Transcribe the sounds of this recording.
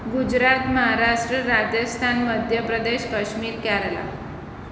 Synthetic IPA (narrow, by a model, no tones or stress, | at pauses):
ɡud͡ʑɾat̪məɦaɾaʂʈɾəɾad͡ʑəst̪ʰanməd̪ʱjəpɾəd̪eɕkəɕmiːɾkɛɾəla̰